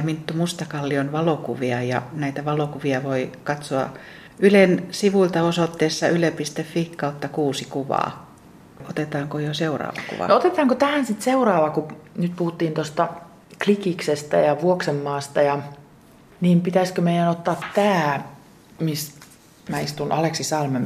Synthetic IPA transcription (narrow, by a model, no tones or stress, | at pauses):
mint̪ːumust̪ɑkɑlːionʋɑlokuʋiɑjɑnæit̪æʋɑlokuʋiɑʋoikɑt̪soɑ̰ | ylensiʋuilt̪ɑosot̪ːeːsːɑylepist̪efːikkɑut̪ːɑkuːsikuʋɑ̰ː | ot̪et̪ɑːŋkojoseurɑ̰ːʋɑ̰kṵʋɑ̰noot̪et̪ɑːŋkot̪æhænsit̪seurɑːʋɑkunyt̪puhut̪ːiːnt̪ost̪ɑ | klikiksest̪æ̰jɑʋuoksemːɑːst̪ɑjɑ | niːmpit̪æsʲkømeijænot̪ːɑːt̪tæː | mis | mæist̪unʔɑleksisɑlmem